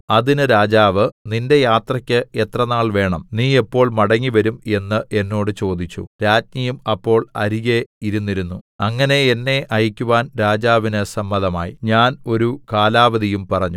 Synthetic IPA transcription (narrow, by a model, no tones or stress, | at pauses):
ɐðinɨɾaːd͡ʑaːʋɨninde̞jaːt̪rɐkʲːɨe̞t̪rɐnaːɭʋe̞ːɳɐmniːe̞pːo̞ːɭmɐɽɐŋːiʋɐɾume̞nːɨʔe̞nːo̞ːɽɨt͡ɕo̞ːd̪it͡ɕːṵɾaːd͡ʑɲɐjumɐpːo̞ːɭɐ̰ɾiɣe̞iɾunːiɾunːuɐŋːɐne̞enːe̞ʔɐjikʲːuʋaːnɾaːd͡ʑaːʋinɨsɐmːɐðɐma̰ːjḭɲaːno̞ɾukaːlaːʋɐðijumpɐrɐɲːu